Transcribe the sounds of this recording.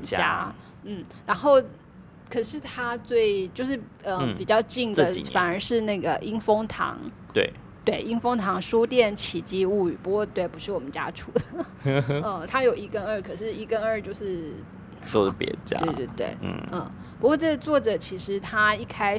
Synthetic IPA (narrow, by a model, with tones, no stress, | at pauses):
t͡ɕa̰˥ | n̩˥˩ɻa˧˥nxo˥˩ʊ | kʰɤ˨˩ʂɻ̩˥˩t̪ʰa˥t͡swe˥˩ɪt͡ɕjo˥˧ʊʂ̬ɻ̩˥˩ | ə˥˧˩pi˨˩t͡ɕjɑ˥˧ʊt͡ɕi˥˩ŋdə˩fa˨˩nə˞˧˥ʂɻ̩˥˧na˥˩ɡə˩ʔi˥ŋfo˥ŋt̪ʰɑ̰˧˥ŋ | t̪wḛ˥˩ɪ | t̪we˥˩ɪi˥ŋfo˥ŋt̪ʰɑ˧˥ŋʂu˥t̪jɛ˥˩nt͡ɕʰi˨˩t͡ɕi˥u˥˩y̰˨˩pu˧˥kwɔ˥˧t̪we˥˩ɪpu˧˥ʂɻ̩˥˩wɔ˨˩mə˦nt͡ɕja̰˥ʈ͡ʂʰṵ˨˩d̪ə˩ | ə˥˩t̪ʰa˥jo˨˩ʊi˧˥kə˥nə˞˥˩kʰɤ˨˩ʂɻ̩˥˩i˥kə˥nə˞˥˧t͡ɕjo˥˧ʊʂɻ̩˥˩ | o˥˧˩pjɛ̰˧˥t͡ɕa̰˥we˥˧t̪we˥˩t̪wḛ˥˩ɪ˥˩ə˥˩ | pu˧˥kwɔ˥˧ʈ͡ʂɤ˥˩ɡə˨t͡swɔ˥˩ʈ͡ʂɤ˨˩t͡ɕʰi˧˥ʂɻ̩˧˥t̪ʰa˥i˥˩kʰa˥